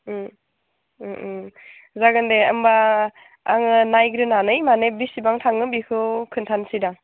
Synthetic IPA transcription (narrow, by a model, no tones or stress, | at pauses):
zaɡɯndeɐmbaː | ŋɯnajɡɾɯnanɯjmanebisibaŋtʰaŋɯbikʰɯkʰɯntʰansidaŋ